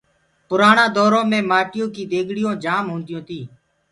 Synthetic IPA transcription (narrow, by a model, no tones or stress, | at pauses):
pʊɾaːɳãːd̪ɔːɾõːmẽːmaːʈɪjõːkiːd̪eːɡʱɽɪjõːd͡ʒaːmɦõːnd̪ɪjõːt̪iː